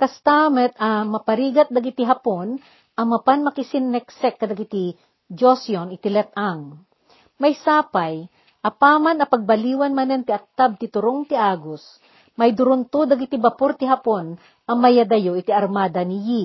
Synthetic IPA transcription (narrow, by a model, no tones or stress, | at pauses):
kɐst̪amɛt̪̚ɐmɐpɐɾiːɡɐt̪̚d̪ɐɡɪt̪iɦɐpon | ʔɐmɐpanmɐkɪsɪnːɛksɛkːɐd̪ɐɡɪt̪i | d͡ʒosjonɪt̪ilɛt̪̚ʔaŋ | mɐjsaːpaj | ʔɐpaːmanɐpɐɡ̚bɐliːwɐnmɐnɛnt̪ɪɐk̚t̪ab̚t̪ɪt̪ʊɾoŋt̪ɪʔaːɡos | mɐjd̪ʊɾʊnt̪ud̪ɐɡɪt̪ibɐpoɾt̪ɪɦɐpon | ʔɐmɐjad̪ɐjoʔɪt̪iɐɾmaːd̪ɐnɪji